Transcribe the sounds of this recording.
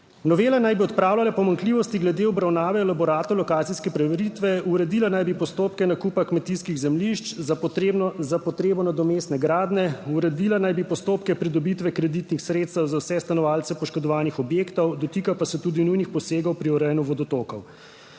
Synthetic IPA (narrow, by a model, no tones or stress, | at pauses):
nɔʋeːlanajbiɔt̪̚pɾaːwlʲalapɔmaŋkliːʋɔst̪iɡlɛd̪eɔbɾawnaːʋɛlabɔɾaːt̪ɔwlɔkaːt̪siskɛpɾɛʋɛɾit̪ʋɛuɾɛd̪ilanajbipɔst̪oːpkɛnakuːpakmɛt̪iskiɣzɛmliʃt͡ʃz | zapɔt̪ɾeːbɔnad̪ɔmest̪nɛɡɾaːd̪nɛuɾɛd̪iːlanajbipɔst̪oːpkɛpɾid̪ɔbit̪ʋɛkɾɛd̪it̪nixsɾeːt̪st̪əwzawsɛst̪anɔʋaːlt̪sɛpɔʃkɔd̪ɔʋaːnixɔbjeːkt̪ɔwd̪ɔt̪iːkapasɛt̪uːd̪inujnixpɔseːɡɔwpɾiɔɾɛjnuʋɔd̪ɔt̪oːkɔw